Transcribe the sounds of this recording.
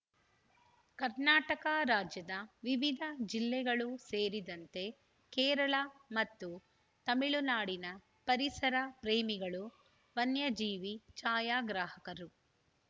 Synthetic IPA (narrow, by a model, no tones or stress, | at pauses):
kɐɾnaːʈɐkaɾaːd͡ʒjɐd̪ɐʋiʋid̪ʱɐd͡ʒilːɛɡɐɭuse̞ːɾid̪ɐnt̪e̞ | kɛːɾɐɭɐmɐt̪ːu | t̪ɐmiɭunaːɽinɐ | pɐɾisɐɾɐpɾeːmiɡɐɭu | ʋɐnjɐd͡ʒiːʋit͡ʃaːjaːɡɾaːɦɐkɐɾu